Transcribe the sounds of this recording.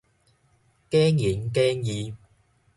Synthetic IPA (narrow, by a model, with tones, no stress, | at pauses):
kɛː˥ŋjiː˨˥nkɛː˥ŋjiː˨˧